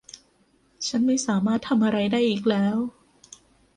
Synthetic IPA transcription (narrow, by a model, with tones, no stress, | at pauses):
t͡ɕʰa˦˥nma˥˩jsaː˩˦maː˥˩t̪ʰːa˧mʔa˧ɾa˧jdaː˥˩jʔiː˨˩k̚lɛː˦˥w